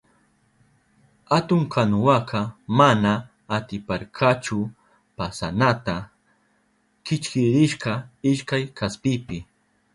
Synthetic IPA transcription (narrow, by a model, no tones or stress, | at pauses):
at̪ʊŋkʰanʊwakʰɑmanaː | t̪ɪpaɾkʰat͡ʃʊ | pasanat̪a | kɪt͡ʃkɪɾɪʃqɑɪʃkajkʰaspɪpɪ